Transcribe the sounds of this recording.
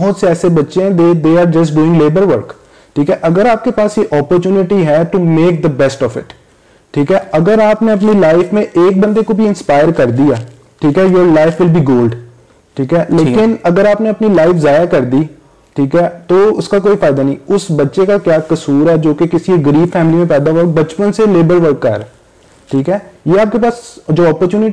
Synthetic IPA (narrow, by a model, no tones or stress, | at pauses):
bɔɦɔt̪seɛːsebɐtːʃẽɦɛ̃d̪eːd̪eːaːɾd͡ʒɐs̬ʈɖuːɪ̃ŋɡleːbəɾʋəɾk | ʈʰiːkɦɛʔɐɡəɾaːp̚kepaːsjeʔɔːpəɾt͡ʃuːnɪʈiɦɛʈumeːk̚d̪əbɛsʈɔːfɪ̰ʈ | ʈʰːiːkɦɛːɐɡəɾaːpneɐp̬nilaːɪfmẽʔeːk̚bɐ̃nd̪ekobʱiɪ̃nspaːɪəɾkɐɾd̪ijaː | ʈʰiːkɦɛjoːɾlaːɪfʋɪlbiːɡoːlɖ | ʈʰiːkɦɛːleːkɪnɐɡəɾaːpneɐpnilaːɪfzaːjakɐɾd̪i | ʈʰiːkɦɛːt̪oʊskakoːifaːɪd̪anə̃ĩʊsbɐtːʃekakjaːkɐsuːɾɦɛd͡ʒoːkekɪsiɡəɾiːfɛːmɪlimẽpɛːd̪aɦobɐt͡ʃpənseleːbəlʋəɾkːɐ̰ɾ | ʈʰiːkɦɛːjeːaːp̚kepaːsd͡ʒoːɔːpəɾt͡ʃjuːnɪʈ